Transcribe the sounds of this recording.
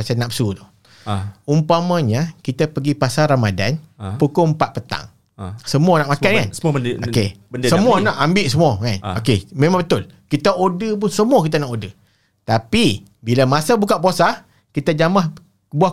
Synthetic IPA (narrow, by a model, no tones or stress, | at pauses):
asanap̚sut̪o | umpamãɲakit̪apəɡipasaɾamada̰npukompaʔ̪̚pət̪a̰ŋ | səmuanaʔmakankanəo̰keəsəmuanaʔambɪʔsəmuɔkanokemẽmãŋbət̪ʊl | kit̪aʔodəp̬ʊnsəmuakit̪̬anaʔodə | t̪api | bilamasabukaʔpuasah | kit̪ad͡ʒamah | buah